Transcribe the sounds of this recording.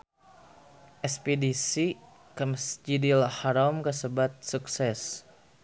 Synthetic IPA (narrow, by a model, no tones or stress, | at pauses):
ʔɛspidisi | kəmsd͡ʒidilhaɾamkəsəbat̪̚suksɛs